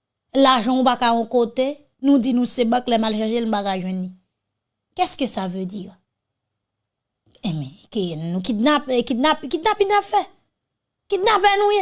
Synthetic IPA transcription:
laʒɑ̃nũpakaɔ̃kot̪e | nũdinũsebãklɛmalʃaʃenũbakaʒwɛ̃nli | kɛskøsavød͡zi | ɛ̃mɛ̃kenũkitnapkitnapkitnapinapfɛ | kit̚napɛnũjɛ̃

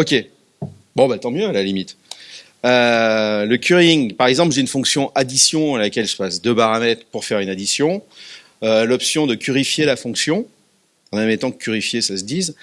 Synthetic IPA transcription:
ɔkʲe | bɔ̃bat̪ɑ̃mjøalalimit̪ | øləkʲyʁiŋpaʁɛɡzɑ̃plʒeynfɔ̃ksjɔ̃ʔad̪isjɔ̃alakʲɛlʒəpasd̪øpaʁamɛt̪χpuʁfɛʁynad̪isjɔ̃ | ølɔpsjɔ̃d̪əkʲyʁifjelafɔ̃ksjɔ̃ | ɑ̃mɛmet̪ɑ̃kʲyʁifjesasəd̪iz

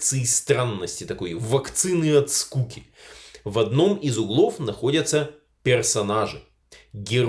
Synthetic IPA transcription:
t̪sɨɪst̪ɾanːəsʲtʲɪt̪ɐko̞jvɐkt̪sɨnɨɐt̪skukʲɪ | vɐd̪no̞mɪzʊɡlˠo̞fnɐxo̞dʲət̪sə | pʲɪrsɐnaʐɨ | ɡʲɪɾ

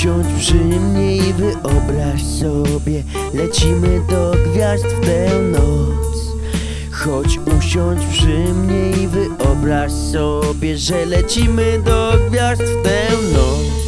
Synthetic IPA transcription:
ɔ̃t͡ɕpʂɘmɲejivɘʔɔbɾaɕsɔbʲjɛ | lɛt͡ɕimɘd̪ɔɡvʲjast̪ft̪ɛwnɔt̪s | xɔt͡ɕuɕɔ̃t͡ɕpʂɨɪmɲejivɘʔɔbɾaɕsɔbʲjɛʐɛlɛt͡ɕimɘd̪ɔɡvʲjast̪ft̪ɛwnɔt̪s

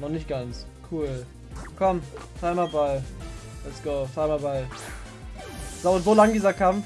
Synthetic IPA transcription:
nɔχnɪçt̚ɡ̥ant͡s | kʰuːl | kʰɔmfaɪmaballɛtsɡ̥oːfaɪmabaɪ | z̥aʊzolaŋdiːzɐkʰamf

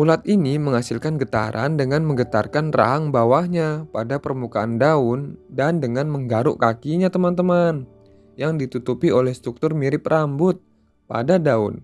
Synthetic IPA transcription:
ʔulat̪iniməŋasɪlkanɡət̪a̰ɾʔa̰ndəŋanməŋɡət̪arkanra̰ɦaŋbawahɲapadapərmukaandaʊndandəŋanməŋɡaɾʊʔkakiɲat̪əmant̪əman | jaŋdit̪ut̪upiolɛhst̪ɾuk̚t̪ʊrmiɾɪp̚rambʊt̪̚ | pa̰dadaʊ̰n

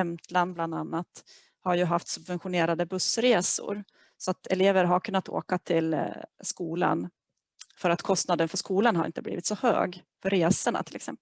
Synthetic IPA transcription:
ɛmt̪ʰland̪̚bland̪anːat̪ | haɾjɵɦaft̪sɵbvɛnɧʊneːɾad̪əbɵsɾeːsʊ̰ɾ | sɔat̪ɛ̰leːvəɾɦaɾkʰɵnːat̪ʰo̰ːkat̪ʰɪlskuːla̰n | fœɾat̪kʰɔst̪nad̪ənfœʂkuːlanhaɾɪ̰nt̪əblḭːvɪt̪sɔhø̰ːɡfœɾeːsəɳa̰t̪ʰɪlɛksɛmp

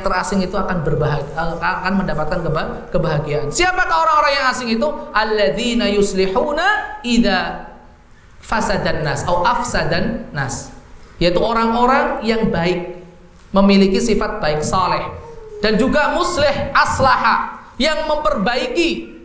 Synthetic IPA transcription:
t̪ərasɪŋit̪uakanbərbaɦaakanməndapat̪̚kankəba | kəbaɦaɡiansiapak̪aoɾaŋoɾaŋjaŋasɪŋit̪uʔalːaðinajʊslɪħuːnaʔiða | fasadanːasawʔafsadanːasjait̪uoɾaŋoɾaŋjaŋbaɪk̚ | məmilikisifat̪̚b̥aɪk̚sɑlɪħd̥and͡ʒuɡamʊslɪhʔaslaħa | jaŋməmpərbaiki

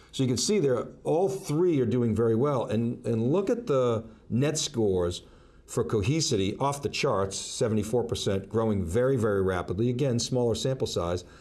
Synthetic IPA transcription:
soʊjɨkɨ̃nsiðə˞ɔlˠθɹiə˞dʉɪ̃ŋvɛɹiwɛlˠɨ̃nɨ̃nlʊkɨt̪̚ðə | nɛtskɔɹz̥ | fə˞kʰoʊɦisɨɾiʔɔfðɨt͡ʃʰɑɹtsɛvn̩tifɔɹpʰə˞sɛ̃nɡ̥ɹoʊɪ̃ŋvɛɹivɛɹiɹæpədˡliɨɡɛ̃nsmɔlˠə˞sæ̃mpl̩ˠsaɪz̥

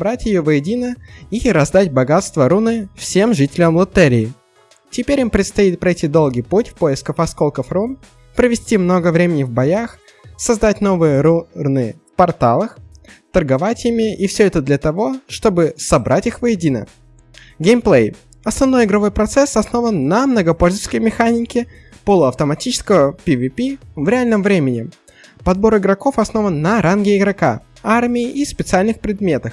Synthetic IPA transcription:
bɾatʲjɪjovəjɪdʲinəiɾɐzd̪atʲbɐɡat̪st̪vəɾunɨfsʲe̞mʐɨtʲɪlʲəmlˠɐt̪ɛɾʲɪː | tʲɪpʲeɾʲɔmpɾʲɪt̪st̪ɐit̪̚pɾɐjtʲid̪o̞lˠɡʲijputʲfpo̞jɪskəfɐsko̞lˠkəfrum | pɾəvʲɪsʲtʲimno̞ɡəvɾʲemʲɪnʲɪvbɐjax | sɐzd̪atʲn̪o̞vɨjəɾurnɨfpɐrt̪alˠəxt̪ərɡɐvatʲɪmʲiʔifsʲɵɛt̪əd̪lʲət̪ɐvo̞ʂt̪o̞bɨsɐbɾʔatʲixvəjɪdʲinə̰ | ɡʲejmplˠej | ɐsnɐvno̞jɪɡɾɐvo̞jpɾɐt̪sɛsɐsno̞vənːəmnəɡɐpo̞lʲzəskəjmʲɪxanʲɪkʲɪ | polˠʊɐft̪əmɐtʲit͡ɕɪ̥skəvəpʲɪvʲɪpʲivɾʲɪalʲnəmvɾʲemʲɪnʲɪ | pɐd̪̚bo̞ɾɪɡɾɐko̞fɐsno̞vənːɐɾanɡʲɪɪɡɾɐka̰ | armʲɪɪʔispʲɪt̪sɨalʲnɨxpɾʲɪd̪mʲe̞t̪əx

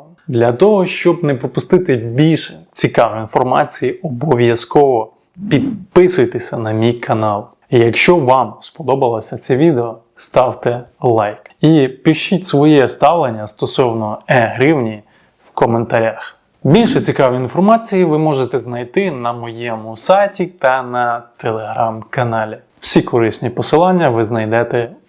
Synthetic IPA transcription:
d̪lʲɐt̪ɔɦɔʃt͡ʃɔb̚nɛpɾɔpʊst̪ɪt̪ɪbʲilʲʃɛt͡sʲikɑʋiinfɔrmɑ̰t͡sʲijiɔbɔʋʲjɐskɔʋɔ | pʲid̪̚pɪsʊjet̪esʲɐnɐmʲijkʰɐnɑlˠ | ijɐkʃt͡ʃɔʋɑmspɔd̪ɔbɐlˠɔsʲɐt̪sɛʋʲid̪eɔ | st̪ɑwt̪ɛlˠɑjkipʲɪʃitʲsʋɔjɛst̪ɑʋlˠenʲːɐst̪ɔsɔwnɔɛɦɾɪwnʲi | wkɔment̪ɐɾʲax | bʲilʲʃɛt͡sʲikɑʋiinfɔrmɑt͡sʲijiʋɪmɔʒet̪ɛznɐjt̪ɪnɐmɔjɛmʊsɑjtʲit̪ɐnɐt̪elˠeɦɾɑmkɐnɑlʲi | w̥sʲikɔɾɪsʲnʲipɔsɪlˠɑnʲːɐʋɪznɐjd̪ɛt̪ɛ

